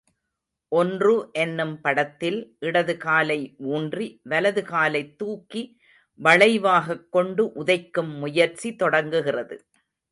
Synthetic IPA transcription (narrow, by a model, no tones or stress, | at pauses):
ʔɔndrɯʔɛnːɯmpɐɽɐt̪ːɪlʔɪɽɐðɯɣaːlɐɪʔuːndriʋɐlɐðɯɣaːlɐɪt̪ːuːkːi | ʋɐɻɐɪʋaːɣɐkːɔɳɖɯʔʊðɐɪkːɯmːʊjɐɾt͡ʃit̪ɔɽɐŋɡɯɣɪrɐðɯ